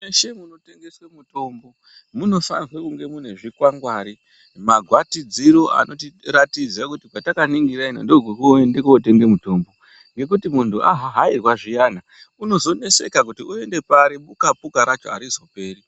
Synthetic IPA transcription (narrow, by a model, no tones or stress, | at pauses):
eʃe̞muno̞te̞ŋɡe̞swemuto̞mbo̞ | muno̞fa̰nwekuŋɡe̞mun̤e̞ʐikwaŋɡwaːɾi | maɡʱwatid͡ziɾo̞a̰no̞tiratid͡zakutikwatakaniŋɡirainondoɡwokuendekuote̞ŋɡe̞muto̞ːmbo̞ | ŋɡe̞k̬utimuntuʔa̰ɦaɦairwaʐijaːna | uno̞zo̞ne̞se̞̰kak̬utiue̞nde̞paɾiɓukapukaɾat͡ʃo̞̰a̰ɾizo̞pe̞ːri